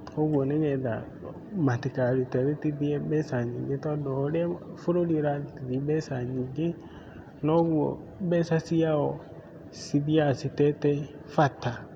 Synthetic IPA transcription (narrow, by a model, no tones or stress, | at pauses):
oɡoniɡɛda̰ | matikaɾitɛɾitidiɛɓɛsaɲiɡetɔdɔɾɛfuɾoliɾatidiɓɛsaɲiɡe | nɔɡuo̰ɓɛsasiaɔ | sidiasitɛtɛ | fata